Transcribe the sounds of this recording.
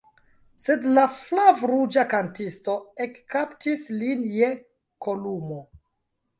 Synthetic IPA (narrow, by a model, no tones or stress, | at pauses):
sedlaflavɾud͡ʒakantisto̞ekːaptislinje̞ | kʰolumo